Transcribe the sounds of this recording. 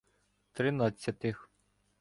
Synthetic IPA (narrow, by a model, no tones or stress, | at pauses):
t̪ɾɪnɑt͡sʲːɐt̪ɪx